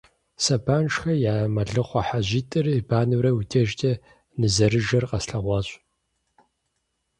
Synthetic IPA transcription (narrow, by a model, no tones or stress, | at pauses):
sɐbʰaːnʂxɐjaːmɐɮɨχʷɐħaʑitʼɨrɨbʰaːnɨwɾɐwutʰɐʒtʰʼɐ | nɨzɐɾɨʒɐrqɐsɬɐʁʷɑːɕʷʼ